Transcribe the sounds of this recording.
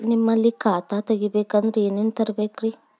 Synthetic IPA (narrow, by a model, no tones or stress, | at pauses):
nimːɐlːikaːt̪at̪ɐɡibeːkɐnd̪ɾeeːneːnt̪ɐɾbeːkɾi